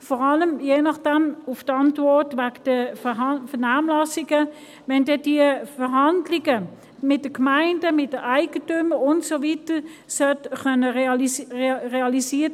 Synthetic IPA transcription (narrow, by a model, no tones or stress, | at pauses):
fɔʁɑləmjeːnɑχd̥ɛmʊftɑntvɔʁtvaɡd̥ə | fənaːmlɑsɪɡə | vɛndɛd̥iəfəʁɦɑndlɪɡə | mɪt̚d̥əkmaɪndəmɪt̚d̥əaɪɡ̥ətyməʊntsovitəsœtχœnə | ʁeɑlisiːɐt